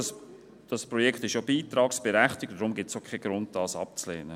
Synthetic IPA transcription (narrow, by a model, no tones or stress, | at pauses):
d̥ɑspɾɔjɛkχtɪʃobiːtɾɑːksb̥ɛɾæχtɪk̚td̥ɾʊmɡɪtsokʰχɛɡ̥ɾʊnt̚d̥ɑːsɑ̰p̚t͡slɛːnə